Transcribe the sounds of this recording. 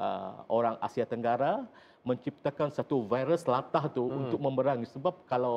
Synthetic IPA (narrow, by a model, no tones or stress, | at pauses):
ʔə̰oɾaŋa̰siat̪əŋɡaɾa | mə̃ɲt͡ʃip̚t̪akansat̪uvajɾəslat̪aht̪uːnt̪ʊk̚mə̃mbəɾaŋisəbap̚kala